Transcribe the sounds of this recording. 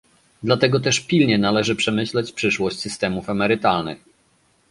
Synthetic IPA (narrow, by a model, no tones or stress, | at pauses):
d̪lat̪ɛɡɔt̪ɛʂpʲilɲɛnalɛʐɘpʂɛmɘɕlɛt͡ɕpʂɘʂwɔɕt͡ɕʲsɘst̪ɛmufamɛɾɘt̪alnɘ̰x